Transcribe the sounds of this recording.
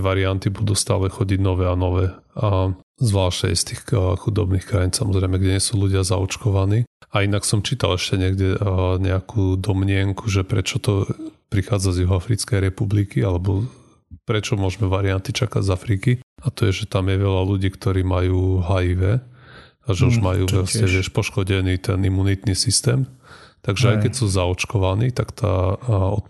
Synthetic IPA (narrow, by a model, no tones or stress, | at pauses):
ʋaɾiant̪ibud̪uːst̪a̰ːlɛxɔɟiɟnɔʋɛanɔʋɛːazʋlaːʃtɛ̰jst̪iːxxud̪ɔbniːxkɾajinsamɔzɾɛɪmɛɡɟɛɲɪɛsuːluɟɪaza̰ɔt͡ʃkɔʋaniːainaksɔmt͡ʃiːt̪a̰lɛʃcɛɲɪɛɡɟɛɲɛakʰuːd̪ɔmɲɪɛŋkʰuʒɛpɾɛt͡ʃɔt̪ɔpɾixaːd͡zazjuɦɔafɾit͡skɛjɾɛpublikialɛbɔ | pɾɛt͡ʃɔmʊɔʒmɛʋaɾiant̪it͡ʃaka̰ɟzafɾiːkiat̪ɔjɛʒɛt̪amjɛʋɛʎaluɟiːkt̪ɔɾiːmajuːɦajiʋɛ | aʒɛuʒmajuːʋɛsɛʋɪɛʃpɔʃkɔɟɛniːt̪ɛnimːunit̪nisist̪ɛːmt̪aɡʒɛajkɛcsuːzaɔt͡ʃkɔʋaniːt̪akt̪a̰ːɔ̰t̪